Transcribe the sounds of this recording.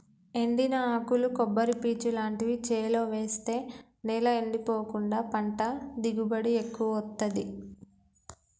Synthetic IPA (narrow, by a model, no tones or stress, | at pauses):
e̞ɳɖinɐaːkulukɔbːɐɾipiːt͡ʃulaːɳʈiʋit͡ʃeːlo̞ːʋe̞ːst̪e̞ː | nɛːlɐeɳɖipoːkuɳɖaːpɐɳʈɐd̪iɡubɐɽiekːuʋɐɔt̪ːɐd̪i